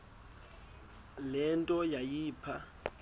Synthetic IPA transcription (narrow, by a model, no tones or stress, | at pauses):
lɛntʼɔjajiːpʰa